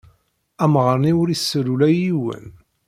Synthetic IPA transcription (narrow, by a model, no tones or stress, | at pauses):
æmʁəɾniʊɾisːɾulæjiwə̰n